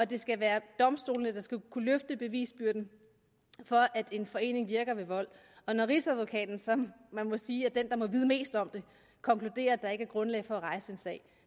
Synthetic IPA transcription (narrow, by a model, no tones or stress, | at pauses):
ɒ̽d̥e̝sɡ̥æʋæːɐd̥ɒ̽msd̥o̝̰ːlnəd̥ɑ̈sɡ̥ækʰuløfd̥əb̥e̝ʋḭːsb̥yɐ̰d̥n̩ | fɒ̽æd̥e̝nfɒ̽e̝̰ːne̝ŋʋiɐɡ̥ɐʋe̝ʋɒ̽l̰ | ɒ̽nɒʁisæð̞ˠʋo̝kʰɛ̰ːd̥n̩sɒ̽mːænmɒ̽siːæd̥end̥ɑ̈mɒ̽ʋiːð̞ˠəme̝̰ːsd̥ɒ̽md̥e̝ | kʰɒ̽ŋkʰlud̥e̝̰ːɐd̥ɑ̈e̝ɡ̥əæɐɡ̥ʁɔ̽nlɛ̰ɪfɒ̽æʁɑ̈ɪsəe̝nsɛ̰ːɪ